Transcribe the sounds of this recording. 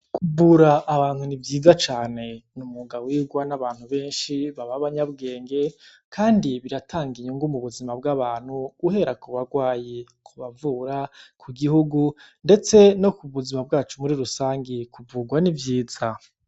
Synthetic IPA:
kʰuvuːɾaʔːβaːnhunivjiːzat͡ʃaːne̞numuɡawiːɡwanaβaːn̥huβe̞ːnʃiβaβaβaɲabɡe̞ːŋɡe̞ | kʰaːndiβiɾatʰaːŋɡiɲuŋɡumuβuzimabɡaβaːn̥huːhe̞ɾakuβaɡwaːje | kʰuβavuːɾakʰuɡihuɡunde̞t͡se̞no̞kuβuzimab̚ɡaːt͡ʃumuɾiɾusaːŋɡekuvuːɡwanivjiːz̥a

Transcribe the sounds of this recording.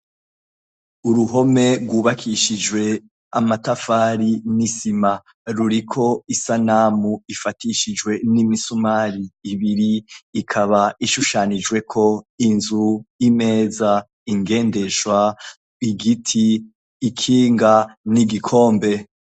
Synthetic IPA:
uɾuɦo̞me̞ɾɡwuːβakʰiʃid͡ʒwe̞ | a̰matafaɾinisima | ɾuɾikʰo̞isanaːmuifatiʃid͡ʒwe̞nimisumaːɾiːβiɾiːkʰaβaiʃuʃaːnid͡ʒwe̞kʰo̞inzuimeːza | iŋɡe̞ːnde̞ʃwa | iɡitʰiː | kʰiːŋɡaniɡikʰo̞ːmbe̞

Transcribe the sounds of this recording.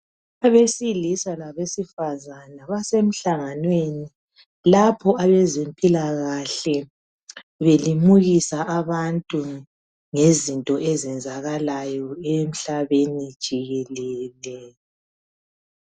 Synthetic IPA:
aβesilisalaβesifazanaβasem̩ɬaŋanweni | lapʰɔaβɛzempʼilaɣaɬɛ | βelimuɣisaʔaβantʼu | ŋezintʼɔʔɛzɛnd͡zʱaɣalajɔem̩ɬaβenid̥ʒ̥ʱiɣɛlɛːlɛ

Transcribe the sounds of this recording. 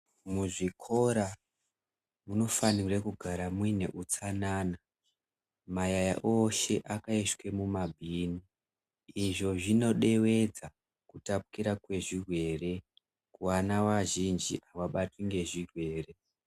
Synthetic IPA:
muʐikʰo̞ɾa | muno̞fanirekuɡʱaɾamwine̞̰ʔut͡sanaːna | majaja̰ʔoʃe̞ʔakaiʃwe̞mumabʱiːni | iʐo̞ʐino̞ɗe̞we̞d͡za | kutap̚u̥kiɾakwe̞ʐirwe̞ːre̞ | kuwanawaʒind͡ʒiʔaʋaɓatwiŋɡe̞ʐirwe̞ːre̞

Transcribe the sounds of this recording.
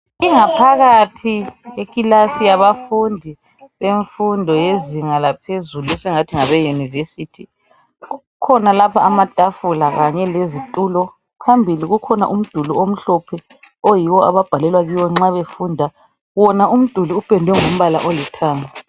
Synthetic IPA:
iŋapʰaɣatʰiekʼilasijaβafundʱi | βeɱfundʱɔjeziŋalapʰezuluɛsɛŋatʰiŋaβɛjunivesiːtʰi | ɣu | kʰɔnalapʰaːmad̥ʱʼafulaɣaɲɛlezitʼuːlɔ | pʰambʱiliɣukʰɔna̰ʔum̩d̥ʱuluom̩ɬɔpʰɛ | ojiwɔa̰βab̥ʱalɛlwaɣiwɔŋ͡ǁaβefuːndʱa | βɔnaum̩d̥ʱuluupɛndʱwɛŋom̩βala̰ʔolɛtʰaːŋa

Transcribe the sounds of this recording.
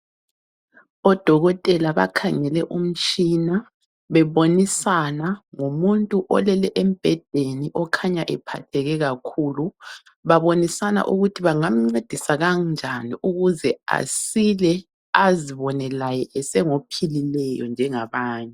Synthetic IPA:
ɔd̥ʱɔɣɔtʼɛlaβa̰kʰaŋɛlɛʔum̩t͡ʃʼina | βɛβonisanaŋumuntʼuʔɔlɛlɛʔem̩b̥ʱɛd̥ʱeniʔɔkʰaɲaʔɛpʰatʰɛɣɛɣakʰuːlu | βaβonisana̰ʔuɣutʰiβaŋam̩ŋ͡ǀed̥ʱisaɣand͡ʒʱaniʔuɣuzɛa̰silɛ | aziβɔnɛlajɛʔɛsɛŋopʰililɛjɔ̰nd͡ʒʱɛŋaβaːɲɛ

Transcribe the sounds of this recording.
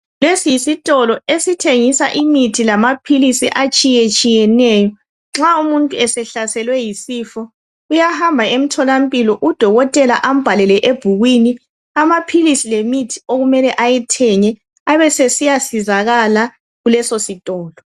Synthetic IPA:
lesisitʼɔlɔesitʰeŋisa̰ʔimitʰilamapʰilisiʔat͡ʃʼijet͡ʃʼijɛnɛjɔ | ŋ͡ǁaumuntʼuɛsɛɬasɛlwɛjisifɔ | ujahambʱaem̩tʰɔlam̩pʼilɔʔud̥ʱɔɣɔtʼɛlaʔam̩b̥ʱalɛlɛʔeb̥ʱuɣwini | amapʰilisilemitʰi̥oɣumɛlɛʔajɛtʰɛɲɛ | aβɛsesijasizaɣala | ɣulɛsositʼɔːlɔ

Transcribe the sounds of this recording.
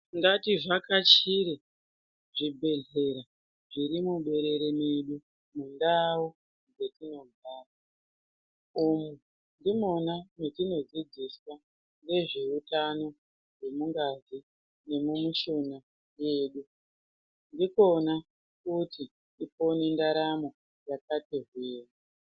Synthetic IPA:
ŋɡatiʐakat͡ʃiɾe | ʐibʱe̞ɮe̞ɾa | ʐiɾimuɓe̞ɾe̞ɾemeɗu | mundawo | ŋɡe̞tino̞bʱaːta | umu | ndimo̞nanetino̞d͡zid͡ziswa | nde̞ʐe̞utano̞ | ʐe̞muŋɡazi | ne̞mumuʃona | je̞ːɗu | ndikona | kuti | ipo̞nindaɾamo̞ | jakatirweːwa

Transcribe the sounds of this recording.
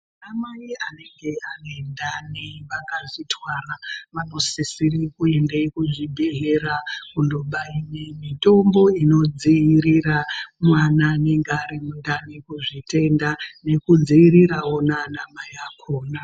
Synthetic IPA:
amaiane̞ŋɡe̞anoendaneʋakaʐitʰwaːraʋano̞sisirikuendekuʐibʱeɦeɾakundoɓainemito̞mbo̞ino̞d͡ziːɾiramwananeŋɡaɾemundanekuʐite̞ndane̞kud͡ziːɾiɾawonanamajakʰoːna

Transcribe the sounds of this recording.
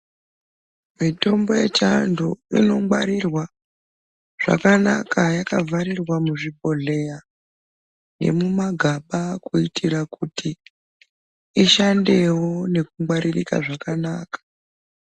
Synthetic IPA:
mito̞mbo̞jet͡ʃandoino̞ŋwaɾirwa | ʐ̥a̰kanakʰajakavʱaɾirwamuʐibo̞ɮe̞ja | ne̞̰mumaɡʱaɓakuitʰiɾakuti | iʃande̞wo̞ne̞kuŋwaɾirika̰ʐakanaːkḁ

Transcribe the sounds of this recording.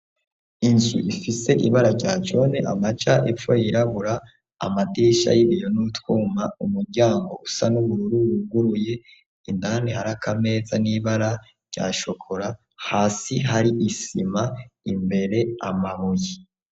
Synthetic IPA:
iɲʃḭʔifise̞ʔiβaɾaɾɟaːt͡ʃo̞neʔa̰mat͡ʃaʔep͡fo̞jiɾaβuɾa̰ː | madiʃa̰jiβijonutwuːmaumuɾɟaːŋɡo̞usanuβuɾuɾuuɡuɾuje̞ | indanehaɾakʰame̞ːzaniβaɾa | ɾɟ̥a̰ːʃo̞kʰoɾa | haːsiɦaɾiʔisimaimbe̞ɾe̞amaβuji

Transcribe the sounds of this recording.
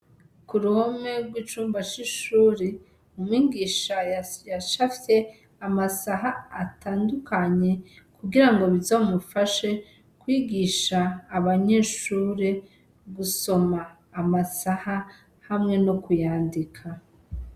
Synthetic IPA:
kuɾuhome̞ɾɡwiːt͡ʃuːmbat͡ʃiʃuːɾe | umwiːɡiːʃajaʃafje̞ | amasaɦaːtʰaːndukʰaɲe̞kuɡiɾaŋɡo̞βizoːmufaʃe̞ | kwiːɡiʃaːβaɲeːʃuːɾe | ɡuso̞maː | masaha | hamŋe̞no̞kujaːndikʰa

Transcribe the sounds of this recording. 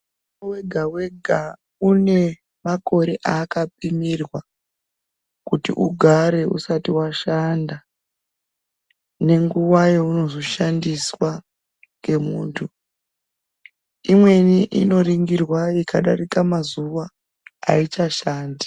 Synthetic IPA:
weɡʱawe̞ɡʱa | une̞ | mako̞ɾe̞ʔakap̚imirwa | kutḭʔuɡʱaɾe̞ṵsatiwaʃanda | ne̞ŋɡuʋajeouno̞zo̞ʃandiswa | ŋɡe̞muːntʰu | imwe̞niʔino̞ɾiŋɡirwaikʰaɗarikamazuʋa | a̰it͡ʃaʃaːndi̥

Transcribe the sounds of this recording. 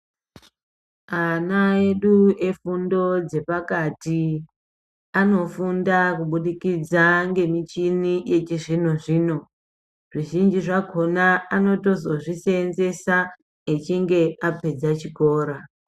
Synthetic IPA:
anae̞ɗue̞fundo̞d͡ze̞pakati | ano̞fundakuɓuɗikid͡zaŋɡe̞mit͡ʃinije̞t͡ʃiʐin̤uʐiːno̞ | ʐiʒind͡ʒiʐakʰo̞naano̞to̞zo̞ʐiseːnze̞sa | et͡ʃiŋɡe̞ape̞d͡zat͡ʃiko̞ːɾa

